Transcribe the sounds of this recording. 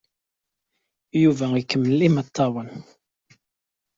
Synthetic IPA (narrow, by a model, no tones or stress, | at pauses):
juvæikːəmːlːimət̪ʰːɑwən